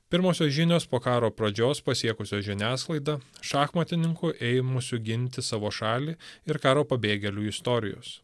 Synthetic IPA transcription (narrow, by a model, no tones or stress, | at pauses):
pʲɪɾmoːsʲoːsʒʲɪnʲoːspoːkɑːɾoːpɾɐd͡ʒʲoːspɐsʲiɛkʊsʲoːʒʲɪnʲæːsklˠɐɪd̪ɐʃɑːxmɐt̪ʲɪnʲɪŋkʊʔɛɪmʊsʲʊɡʲɪnʲt̪ʲɪsɑːʋoːʃɑːlʲiːɪɾkɑːɾoːpɐbʲeːɡʲɛlʲuːɪst̪ɔɾʲɪjo̰ːs